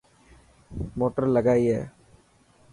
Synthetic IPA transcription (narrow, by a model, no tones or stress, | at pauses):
moːʈəɾlɐɡaːjje